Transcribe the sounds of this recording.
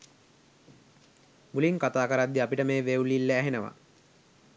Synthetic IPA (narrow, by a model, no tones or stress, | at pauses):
muliŋkat̪aːkəɾad̪ːiapiʈəmeːʋeulilːeæɦenəʋa̰